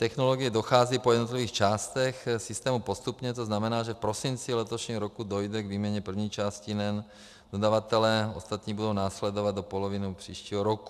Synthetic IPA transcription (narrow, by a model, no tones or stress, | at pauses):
t̪ɛxnoloɡijɛd̪oxaːziːpɔjɛd̪not̪livʋiːxt͡ʃaːst̪ɛxsist̪ɛːmupost̪upɲɛt̪oznamɛnaːʒɛfpɾosint͡silɛt̪oʃɲiːɦɔɾokud̪ojd̪ɛɡviːmɛɲɛpr̩vɲiːt͡ʃaːscinɛn | d̪od̪aʋat̪ɛlɛːost̪at̪ɲiːbud̪ownaːslɛd̪ovad̪d̪opolovinupr̝̥iːʃciːɦɔɾoku̥